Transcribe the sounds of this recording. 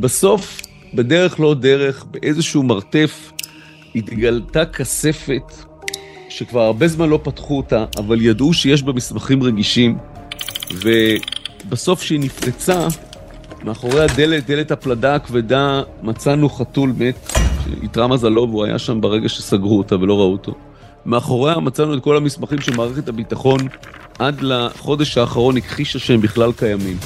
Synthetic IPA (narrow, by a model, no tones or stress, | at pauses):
baso̞f | bede̞ʁe̞χlo̞de̞ʁe̞χbe̞ʔezeʃuumaʁte̞f | it̪ɡaltakase̞fe̞t | ʃe̞kvaʁaʁbe̞zmanlo̞patχuotaʔavaljadʔuʃeje̞ʃ̬bemismaχimʁe̞ɡiʃim | ve̞baso̞fʃeiniflet͡sa | meaχo̞ʁe̞hade̞let̚d̪e̞le̞tapladaːkvedamat͡sanuχatulme̞tʃḛḭt̪ʁamazalo̞vuaja̰ʃambaʁe̞ɡaʃesaɡʁuotave̞lo̞ʁauto̞̰ | meaχo̞ʁeamat͡sanuet̚ko̞lamismaχimʃemaːʁeχethabitaχo̞n | ʔad̪laχo̞de̞ʃhaːχaʁo̞nikχiʃaʃembiχlalkajamim